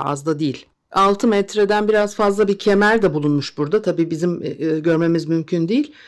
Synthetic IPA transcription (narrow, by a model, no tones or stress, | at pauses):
a̰zd̪ad̪ijilʲ | alˠt̪ʰɯmɛt̪ɾed̪ænbiɾazfazlˠabicʰemæɾd̪ɛbulˠunmuʃbuɾd̪at̪ʰabiːbizimɟøɾme̞mizmymcʰynd̪ijilʲ